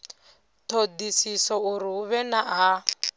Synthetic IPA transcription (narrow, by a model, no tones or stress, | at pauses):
t̪ʰod̪isisɔuɾiɦuβɛnaɦa